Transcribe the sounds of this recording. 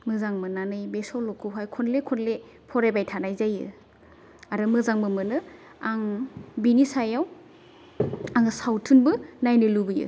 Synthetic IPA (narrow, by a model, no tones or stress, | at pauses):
mɯzaŋmɯnanɯjbesɔwlɔkʰɯɦajkʰɔnlekʰɔnle | pʰɔɾebajtʰanajzajɯ̰ | aɾɯmɯzaŋmɯmɯnɯ | aŋbinisajaw | aŋɯsawtʰunbɯnajnɯlubɯjɯ̰